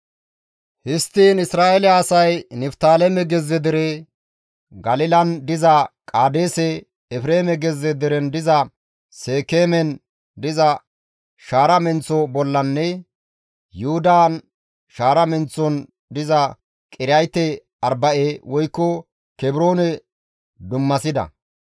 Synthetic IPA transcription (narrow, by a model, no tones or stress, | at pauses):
hɪst̪ːiːnɪsɾaːʔɛlɪɐːsɐjnɛft̪aːlɛmɛɡɛzːɛd̪ɪɾɛ | ɡɐlɪlɐnd̪ɪzɐkʼaːd̪eːsɛ | ɛfɾeːmɛɡɛzːɛd̪ɪɾɛnd̪ɪzɐ | seːkeːmɛn | d̪ɪzɐ | ʃaːɾɐmɛnt͡sɔbɔlːɐnːɛ | jʊhʊd̪aːn | ʃaːɾɐmɛnt͡sːɔn | d̪ɪzɐ | kʼɪɾɐjt̪ːɛ | ɐɾbɐʔeːwʔɔjkːɔ | kɛbɪɾoːnɛ | d̪ʊmːɐsɪd̪ɐ̰